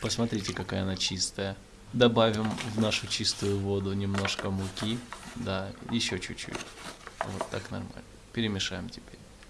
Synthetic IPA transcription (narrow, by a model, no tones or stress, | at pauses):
pəsmɐt̪ɾʲitʲɪkɐkajəɐnat͡ɕist̪əjə | d̪ɐbavʲɪmvnaʂʊt͡ɕist̪ʊjʊvod̪ʊnʲɪmno̞ʂkəmʊkʲid̪ajɪɕːot͡ɕʉt͡ɕːʉ̰tʲvot̪ːa̰knɐ̰rma̰lʲnəpʲɪɾʲɪmʲɪʂajɪmtʲɪbʲeɾʲ